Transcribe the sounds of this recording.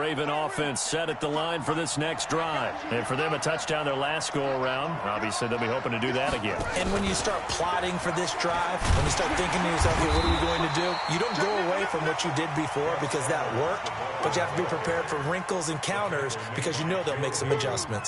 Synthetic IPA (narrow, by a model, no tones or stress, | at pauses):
eɪvɨ̃ñɔfɛ̃nsɛɾɨt̪̚ðəlãɪ̃nfə˞ðɪsnɛksd̥ɹaɪvɨ̃nfə˞ðɨ̃mɨtʰʌt͡ʃd̥ãʊ̃nðə˞læst̚ɡ̥oʊlˠə˞ãʊ̃nd̚ɑ̰visliðɨɪlˠbihoʊpɪ̃ŋtʰɨdɨðɨɾɨɡɛ̰̃nɨ̃nwɨ̃njɨstɑɹt̚pʰl̥ɑɾɪ̃ŋfə˞ðɪsd̥ɹaɪvwə̃njɨstɑɹt̪̚θɪ̃ŋkɪ̃ŋjə˞sɛlˠfɨwʌɾə˞jɨɡoʊɪ̃ŋtʰɨdʉjɨɾõʊ̃nɡ̥oʊəweɪfɹʌ̃mwət͡ʃɨdɪd̚bɨfɔɹbɨkʰʌzðət̚wɜ˞k̚t̚ | b̥ʌt͡ʃɨhæftəbipʰɹ̥ipʰɛɹd̥fə˞ɹɪ̃ŋkl̩ˠzɨ̃nkʰãʊ̃ñə˞z | b̥ɨkʰʌzjɨnoʊðelˠmeɪksʌ̃mɨd͡ʒʌsmɨ̃nt